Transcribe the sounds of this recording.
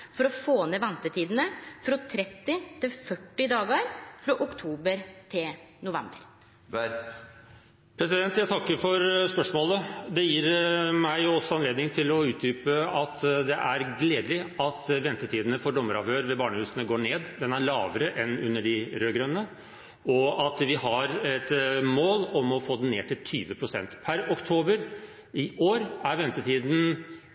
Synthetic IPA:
fɔɾɔfoːneːʋɛnt̪ət̪ʰiːd̪ənəfɾɑt̪ʰɾɛt̪ːɪt̪ʰɪlfœʈːɪd̪ɑːɡəɾfɾɑʔʊkt̪ʰuːbəɾt̪ʰɪlnʊʋɛ̰mbəɾ | pʰɾɛsɪd̪ɛnt̪jæɪt̪ʰɑkːəɾfɔɾspœʂmoːləd̪ɛjiːɾmæɪɔsːɔɑnleːd̪nɪŋt̪ʰɪlɔʉːt̪̚d̪yːpəɑt̪d̪ɛʔæɾɡleːd̪əlɪɑt̪ʋɛnt̪ət̪ʰiːd̪ənəfɔɖɔmːəɾɑ̰ʋhøːɾʋɛbɑːɳəhʉːsənəɡoːɳeːd̪d̪ɛnæɭɑ̰ːʋəɾəʔɛnʉnːəɖɪɾøːɡɾœnːə | ɔɑt̪ʋɪhɑɾɛt̪moːlɔmɔfoːd̪nnḛːʈʰɪlt̪ʰyːʋəpʰɾʊsɛ̰nt̪pʰæɾɔkt̪ʰoːbəɾ | ɪʔoːɾæɾʋɛnt̪ət̪ʰiːd̪n̩

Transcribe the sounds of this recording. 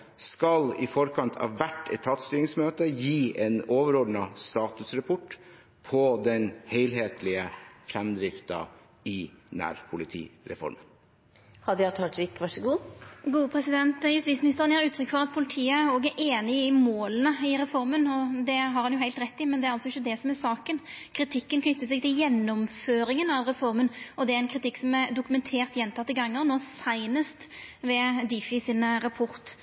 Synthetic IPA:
skɑlɪ̰fɔɾkʰɑnt̪ʰɑ̰ːʋʋæʈːɛ̰t̪ʰːɑːt̪st̪yːɾɪŋsmøːt̪əjiːʔeːnoːʋəɾod̪nɑst̪ɑːt̪ʉsɾɛpʰɔʈː | pʰɔd̪ɛnheɪlɦeːt̪ʰlɪəfɾɛmd̪ɾɪft̪ɑ̰ | ɪnæ̰ːɾpʰʊlɪt̪ʰḭːɾɛ̰fɔ̰ɾmən | hɑd̪ɛɑt̪ʰɑʈ̪ɪkʋɑʂəɡuːɡuːəpʰɾɛsɪd̪ɛnt̪jʉst̪iːtsmɪnɪst̪əʁənɪhɑɾʉːt̪ʰɾʏkːfɔʁɑt̪̚pʰʊlɪt̪ʰiːəoːɡæʔeːnɪɪmoːlənəɪɾɛfɔɾmənɔd̪ɛɦɑɾhɑnjʊhæɪlt̪ɾɛt̪ːɪmɛnd̪ɛæɾɑlsɔɪçːəd̪ɛsɔmæsɑːkənkʰɾɪt̪ʰɪkːənkʰnʏt̪ːəsɛɡ̚t̪ɪljɛnːɔmføːɾɪŋənɑʋʁɛfɔɾmənɔd̪ɛæɾɛnkʰɾɪt̪ɪkːsɔmɛɾd̪ʊkʉmɛnt̪ʰeːɾt̪jɛnt̪ʰɑt̪ːəɡɑŋːəʁnoːsæɪnəst̪ʋɛd̪ifɪsɪnɾɑpʰɔɾt̪

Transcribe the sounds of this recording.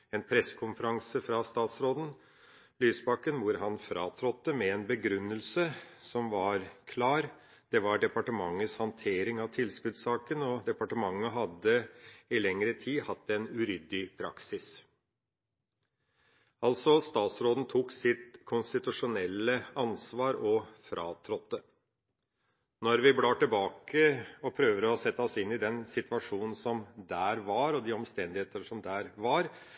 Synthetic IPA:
ɛnpʰɾɛsːə̥kʰʊnfəɾɑŋsəfɾɑst̪ɑːt̪sɾoːd̪n̩ | lyːsbɑkːənʋʊɾɦɑnfɾɑ̰ːt̪ʰɾɔt̪ːəmɛɛnbəɡɾʉnːəlsəsɔmʋɑɾkʰlɑːɾ | d̪̥ɛʋɑɖɛpɑʈəmɑŋːəshɑnt̪ʰeːɾɪŋɑʋt̪ʰɪlskʉd̪sɑːkənɔd̪ɛpɑʈəmɑŋːəɦɑd̪əɪlɛŋɾət̪ʰiːhɑt̪ːɛnʉɾʏd̪ɪpʰɾɑ̰ksɪs | ɑlt̪sɔst̪ɑːt̪sɾoːd̪n̩t̪ʰuːksɪt̪kʰʊnst̪ɪt̪ʉʂʊnɛlːəɑnsʋɑːɾɔfɾʔɑːt̪ʰɾɔt̪ːə | nɔɾʋɪbɽɑːʈ̪ɪlbɑːkəɔpʰɾøːʋd̪əɔsɛt̪ːəɔsɪnːɪd̪ɛnsɪt̪ʋɑʂuːnn̩sɔmd̪æːɾʋɑɾɔd̪iːɔmst̪ɛnd̪ɪheːt̪əʂɔmd̪æːɾʋɑɾ

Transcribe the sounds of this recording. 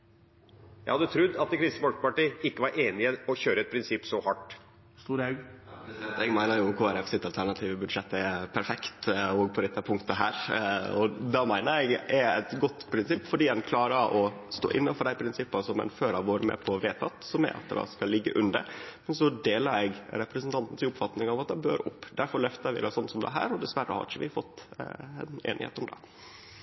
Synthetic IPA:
jæ̰ɪhɑd̪ːət̪ʰɾʉd̪ːɑt̪̚ɛkʰɾɪst̪mɔlkpɑʈiːɪkːəʋɑɾʔeːnɪəɔçøːɾəɛt̪̚pʰɾɪnsɪpːsɔhɑʈ | st̪uːɾɑʉɡ | t̪ɛɡmæɪnəɾjʊkʰoːæɾɛfsɪt̪ːɑlt̪ʰæɳɑt̪ʰiːʋəbʉd̪ʂɛt̪ːɛpʰæɾfɛkt̪ɔɡpʰɔd̪ɛt̪ʰːəpʰʊŋkt̪əɦæːɾɔd̪ɑmæɪnəɾɛɡɛɾɛt̪ɡɔt̪ːpʰɾɪnsɪpːfɔɖiːdɛnkʰlɑːɾəʔɔst̪o̰ːʔɪnːɑnfɔɖ̪æɪpʰɾɪnsɪpːənsɔmɛ̰nføːɾɑʋoːɾəmɛ̰pʰɔʋeːt̪ɑt̪sɔmɛ̰ʔɑ̰t̪̚d̪ɑ̰skɑlɪɡːəʔʉnd̪ə̰ɾmɛnsɔd̪eːləɾɛɡɾɛpɾɛsnt̪ʰɑnt̪n̩t̪ʰɪlʊpfɑt̪nɪŋɑʋɑt̪̚d̪ɛbøːɾʊpːd̪æɾfɔɾɭœft̪əɾʋɪ̰d̪ɛsɔnːsɔmd̪ɛæ̰ɦæ̰ːɾɔd̪ɛsʋæɾːə̰hɑ̰ɾɪçəʋɪfɔt̪ːɛnḛːnɪ̰hḛːt̪ɔmd̪ɛ̰

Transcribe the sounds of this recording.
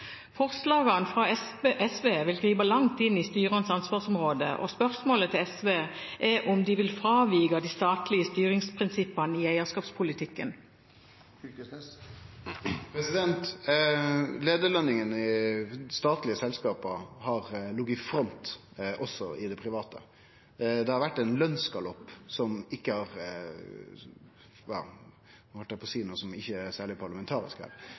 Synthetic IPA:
fɔʁslɑːɡɑnfʁɑʔɛsʋeːʋɪlɡʁiːbɑlɑŋt̪ɪnːiːst̪yːʁɑnsɑnsʋɑːʁsɔmʁoːd̪ə̰ʔɔ̰spœʁsmoːlət̪ʰɪlɛsʋeːʔɛʔɔmd̪ɪʋɪlfɾɑːʋiːɡɑd̪iːst̪ɑːt̪lɪəst̪yːɾɪŋspʰʁɪnsɪpːɑnəiːæɪəskɑːpspʰʊlɪt̪ʰɪkːən | ɾɛsɪd̪ɛnt̪ | leːd̪əɭœnːɪŋənɪst̪ɑːt̪lɪəsɛlskɑːpəɾhɑɾlʊɡːɪfɾɔnt̪ | ʔɔsːɔʔɪd̪ɛpʰɾɪʋɑːt̪ə̰ | d̪ɛhɑɾʋæʈːɛɪnlœnskɑlɔpːsɔmɪkːəhɑɾ | jɑ̰ː | hɑlt̪ːæpʰɔsiːnuːəsɔmɪçːəæsæːɭɪpʰɑɾɭɑmɛnt̪ʰɑːɾɪ̰skæ̰ːɾ

